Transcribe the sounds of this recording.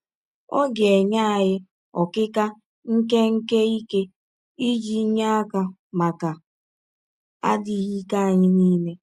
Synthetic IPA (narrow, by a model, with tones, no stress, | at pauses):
ɔ̰˦ɡe˨ɲa˦a˨ɦɪ˦ | ɔ˨kɪ˦ka˦ | ŋ̩˦ke˦ŋ̩˦ke˦i˦ke˦ | i˦d͡ʒi˦ɲa˦a˦ka˨ | ma˨ka˨ | a̰˦di˨ɣi˦ka˦a˨ɲɪ˦niː˦ne˦